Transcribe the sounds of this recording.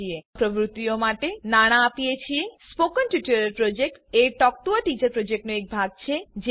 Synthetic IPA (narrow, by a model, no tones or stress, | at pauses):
iepɾobɾut̪ːijomaʈenaɽ̃aːpijet͡ɕʰiespokənʈuʈuɾeɾpɾod͡ʑek̚ʈeʈɔk̚ʈuaʈit͡ɕəɾpɾod͡ʑek̚ʈnoek̚bʱaɡ̚t͡ɕʰed͡ʑ